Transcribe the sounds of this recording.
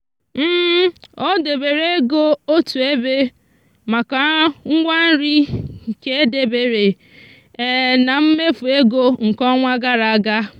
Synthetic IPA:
m̩˦o˦de˨be˨ɾe˦ɡo˦o˦tu˨e˦be˦ | ma˨ka˨ŋ̩˦ŋʷa˦n̩˦ɾi˦˨ke˦e˦de˨be˨ɾe˨ | na˨m̩˦me˦fu˨e˦ɡo˦ŋ̩˨kɔ˦ŋʷa˦ɡa˦ɾa˨a˦ɡa˦

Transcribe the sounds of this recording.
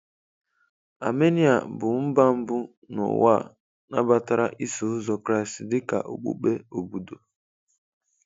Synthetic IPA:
a̰˨me˦ni˦a˨bʊ˨m̩˦ba˦m̩˦bʊ˦ | nʊ̰˨wa̰˦˨ | na̰˦ba˦ta˦ɾa˦ʔi˦so˨ʊ˦zɔ˨kɾa˦i˨sdɪ˦ka̰˨ʔo̰˨k͡pṵ˦k͡pe˦o˨bu˨do˨

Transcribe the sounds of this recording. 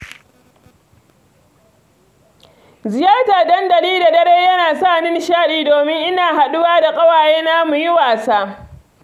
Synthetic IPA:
zɪ˨jaː˦rtaː˨dɐ˦ndɐ˨ɽiː˦da˨dɐ˦ɾeː˦jɐ˦naː˨sa˦˨nɪ˦n˦ʃaː˦ɗiː˦doː˨mɪ˦ŋʔɪ˦naː˨ha˨ɗʊ˦waː˦da˨kʼɐ˦waː˨jeː˦na˦mu˨ji˦waː˨saː˦

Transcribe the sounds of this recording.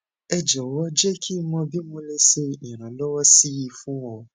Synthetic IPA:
ɛ˧d͡ʒɔ˨˦wɔ˦d͡ʒɛ˦kʰi˦mɔ̃˧bi˦mõ˧le˧ʃe˧ĩ˨ɾ̃ã˨lɔ˦wɔ˦si˦ji˧fũ˦wɔ̃˧

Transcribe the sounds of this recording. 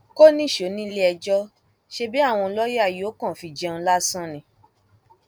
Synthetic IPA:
ko˦nĩ˦˨ʃo˨˦nĩ˦le˦ɛ˧d͡ʒɔ˦ | ʃe˧bi˨˦a˦˨w̃ɔ̃˧lɔ˦je˦a˦˨jo˨˦kã˦˨fi˧˨d͡ʒɛ̃˧˦la˦sã˦˨nĩ˧˦

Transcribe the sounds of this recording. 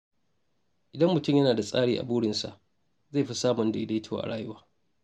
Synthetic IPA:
ʔɪ˨dɐ˦mːʊ˨tʊ˦mjɐ˦naː˨da˨sʼaː˦ɽiː˦ʔa̰˨buː˦ɽɪ˨nsa̰˨ʔ | za˦˨ɸi˦saː˦mʊ˨nda˨ʔɪ˦da˦tʰːw̰ʔa̰˨ɽaː˦jʊ˦waː˦

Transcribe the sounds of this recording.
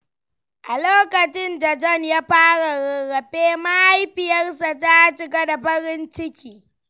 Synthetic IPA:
ʔa˨loː˦kɐ˨t͡ʃɪ˦nda˨d͡ʒɔ˦˨njaː˦ɸaː˦ɽa˨ɾɐ˨ɣɐ˨ɸeː˦ma˦ha˦jɸɪ˨jɐ˦rsa˨ta˦t͡ʃɪ˦ɡɐ˦da˨ɸɐ˦ɽɪ˦nt͡ʃɪ˦kʲiː˨

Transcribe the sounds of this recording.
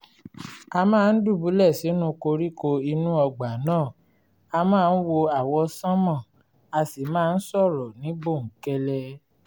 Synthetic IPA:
a˧mãː˦˧n̩˦du˦˨bu˨˦lɛ˦˨si˨˦nũ˦ko˧ɾi˦ko˧i˧nũ˦ɔ˧ɡ͡ba˨˦nãː˦˨ | a˧mãː˦˧n̩˦wo˧a˨wɔ˧sã˦mã˦˨ | a˧si˨mãː˦˧n̩˦sɔ˦˨ɾɔ˨nĩ˨˦bo˦˨ŋ̩˨˦kɛ˧lɛ˧

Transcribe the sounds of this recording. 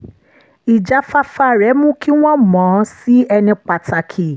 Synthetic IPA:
i˨d͡ʒa˨˦fa˧fa˧ɾɛ˨˦mũ˦ki˦w̃ɔ̃˦mɔ̃˨˦si˦ɛ˧nĩ˧k͡pa˨ta˨kʰi˨

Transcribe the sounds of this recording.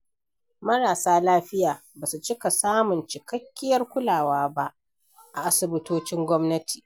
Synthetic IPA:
mɐ˦ɽaː˨saː˦laː˦ɸɪ˦jaː˨ | baː˨su˨t͡ʃɪ˦ka˨saː˦mʊ˨nt͡ʃɪ˨kɐ˦kʲːɪ˦jɐ˦rkʷʊ˦laː˨waː˦ba˦ʔ | ʔa˨ʔa˦sɪ˨bɪ˦toː˦t͡ʃɪ˦ŋɡʷɔ˦mnɐ˦tʰi̥ː˨

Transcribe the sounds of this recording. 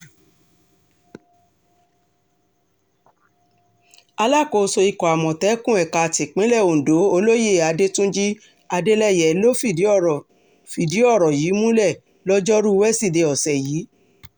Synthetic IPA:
a˧la˦˨ko˨˧so˧i˨kɔ˨a˨mɔ̃˨tɛ˨˦kũ˦ɛ˨ka˧˨ti˨k͡pĩ˨˦lɛ˦˨o˨do˨˦o˧lo˦je˦˨a˧de˦tũ˦d͡ʒi˦ | a˧de˦lɛ˦˨jɛ˨˦lo˦fi˦˨i˨˦˨ | fi˨di˨˦ɔ˦˨ɾɔ˨ji˨˦mũ˦lɛ˦˨ | lɔ˦d͡ʒɔ˦ɾu˦˧˦wɛ˦si˦˨de˧˦ɔ˨sɛ˨jiː˨˦

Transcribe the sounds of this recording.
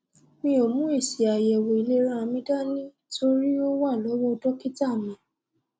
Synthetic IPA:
mĩ˧o˨mũ˨˦i˦˨si˨a˨jɛ˨wo˨i˨le˦ɾ̃ã˦a˧mĩ˧da˦nĩ˦ | tʰo˧ɾi˦o˦wa˦˨lɔ˨˦wɔ˦˧dɔ˦ki˦ta˦˨mĩ˨

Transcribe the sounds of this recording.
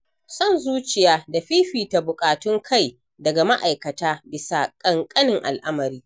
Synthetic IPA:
sɔ˦˨nzuː˦t͡ʃɪ˨jaː˦da˨ɸiː˦ɸiː˨ta˨bʊ˨kʼaː˨tʊ˦ŋkʰa˦˨j | dɐ˨ɡa˨ma˦ʔa˨jkɐ˨taː˦bɪ˨sa˨kʼɐ˨ŋkʼɐ˦nɪ˨ŋʔa̰˨lʔa˦mɐ˨ɾiː˦

